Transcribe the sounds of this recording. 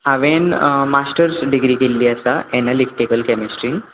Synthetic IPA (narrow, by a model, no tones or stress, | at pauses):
aʋenmasʈəɾsɖiɡɾiːkelːiəsaʔɛnalik̚ʈikəlkɛmisʈɾin